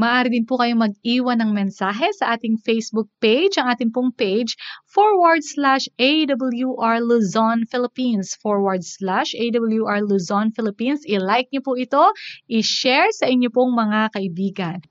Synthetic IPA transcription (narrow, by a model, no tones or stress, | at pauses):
mɐʔaːɾɪd̪ɪnpʊkɐjomɐɡ̚ʔiːwɐnːɐŋmɛnsaːɦɛsɐʔaːt̪ɪŋfejsbʊk̚pejd͡ʒʔɐŋʔaːt̪ɪŋpʊŋpejd͡ʒfoɹwaɹd̪̚slaʃʔejd̪ɐbɐljuʔaɹluzonfɪlɪpinsfoɹwaɹd̪slaʃejd̪ɐbɐljuʔaɹluzonfɪlɪpinsʔɪlajk̚ɲopʊʔɪt̪o̞ʔɪʃɛɹsɐʔɪɲːopoŋmɐŋakɐʔɪbiːɡɐn